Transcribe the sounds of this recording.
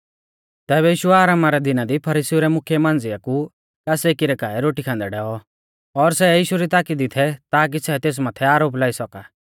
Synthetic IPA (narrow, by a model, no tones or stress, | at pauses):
t̪ɛːβɛjiːʃuɛaːɾaːmaɾɛd̪ɪnad̪ipʰɐɾiːsiuɾɛmʊkʰjɛmãːnd͡zɪjaku | kaːsekiɾɛkaːɛɾoːʈikʰãːnd̪ɛɖɛːɔ | ɔɾsɛjiːʃuɾit̪aːkid̪ɪt̪ʰɛt̪aːk̬isɛt̪eːs̬maːt̪ʰɛaːɾoːp̬laːisɔkaː